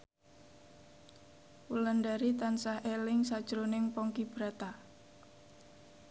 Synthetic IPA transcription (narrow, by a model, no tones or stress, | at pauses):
wuləndaɾit̪ansahelɪŋsad̥ʒ̥ɾonɪŋpɔŋkib̥ɾat̪a